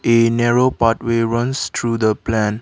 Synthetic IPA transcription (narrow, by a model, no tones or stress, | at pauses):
enɛɹopatweɹʌ̃nst̪ʰɹudəplɛ̃n